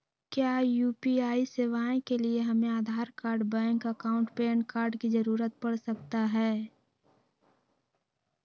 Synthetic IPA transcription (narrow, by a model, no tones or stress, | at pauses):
kjajuːpiaːiseːʋaːẽkelieɦɐmẽaːd̪ʱaːɾkaːɾɖbɛ̃ːŋkəkaːʊ̃ɳʈpeːnkaːɾɖkid͡ʒəɾuːɾət̪̚pɐɽsəkt̪aɦɛː